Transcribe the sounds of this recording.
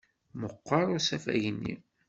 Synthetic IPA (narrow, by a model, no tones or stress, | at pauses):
məqːɑɾˤʊsæfæ̰ʝənːḭ